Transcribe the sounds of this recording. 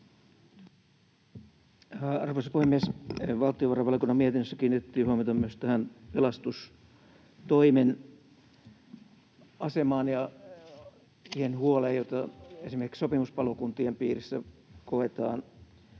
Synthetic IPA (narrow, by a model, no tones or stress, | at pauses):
ɑrʋoisɑ̥puhemːiesʋɑlt̪ˑioʋɑrɑʋɑlkunːɑmiet̪inːøsːækiːnːit̪et̪ːiːhuɑmit̪ɑmyøst̪æhænpelɑst̪us | t̪oimen | ɑsemɑːnjɑ | siːhenhuoleːjjot̪ɑesimerkiksopimuspɑlokunt̪iempḭːrisːækoet̪ɑ̰ːn